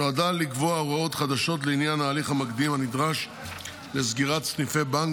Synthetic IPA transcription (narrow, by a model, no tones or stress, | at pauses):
oadalikvoaoʁao̞t̪χad̪aʃo̞t̬leinjanaːliχhamakd̪imhanid̪ʁaʃ | lezɡiʁatsnifebaŋ